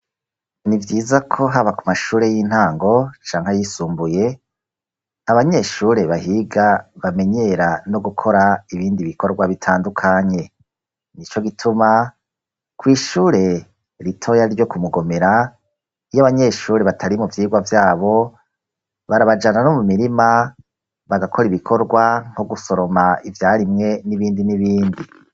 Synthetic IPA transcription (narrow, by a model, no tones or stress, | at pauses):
nivjiːzakʰo̞ɦaβakumaʃuːɾe̞jiːn̥haːŋɡo̞t͡ʃaːŋ̥hajisuːmbuje̞ | aβaɲe̞ʃuːɾe̞βahiɡaβame̞ɲe̞ɾano̞ɡukʰo̞ɾaiβiːndiβiko̞ɾɡwaβitʰaːndukʰaɲe̞ | nit͡ʃo̞ɡitʰuma | kwiːʃuːɾe̞ | ɾitʰo̞jaɾiɾjo̞kumuɡo̞me̞ɾa | ijaβaɲe̞ʃuːɾe̞βatʰaɾimuvjiːɡwavjaːβo̞ | βaɾaβad͡ʒananomumiɾima | βaɡakʰo̞ɾiβikʰo̞ɾɡwaŋ̥hoɡuso̞ɾo̞maivjaːɾimŋe̞niβiːndiniβiːndi